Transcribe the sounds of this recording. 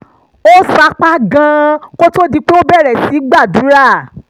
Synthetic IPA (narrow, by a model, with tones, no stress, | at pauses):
o˦sa˧˦k͡pa˦ɡã˧ko˦to˦di˧k͡pe˦o˦bɛ˦˨ɾɛ˨si˨˦ɡ͡ba˦˨du˨˦ɾa˦˨